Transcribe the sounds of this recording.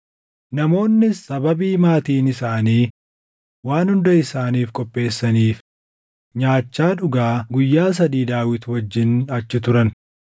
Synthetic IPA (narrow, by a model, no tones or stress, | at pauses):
nɐmo̞ːnːɪsːɐbɐbiːmaːt̪iːnɪsaːniː | waːnhʊnd̪ɐɪsaːniːfkʼɔpʼːe̞ːsːɐniːf | ɲaːt͡ʃːaːᶑʊɡaːɡʊjːaːs̬ɐd̪iːd̪aːwɪt̪wɐd͡ʒːɪnɐt͡ʃːɪt̪ʊɾɐn